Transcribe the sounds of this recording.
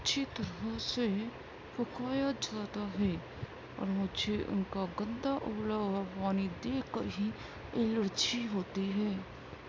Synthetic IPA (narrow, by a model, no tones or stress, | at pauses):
tːt͡ʃʰit̪əɾɦəse | fʊkaːjəd͡ʒət̪aɦɛː | ɔ̰ːɾmʊt͡ʃʰeʔʊ̰nkaɡə̃nd̪aʔʊ̰pləbpaːnid̪eːkəɾɦi | ɪləɽt͡ʃʰiɦoːt̪iɦɛː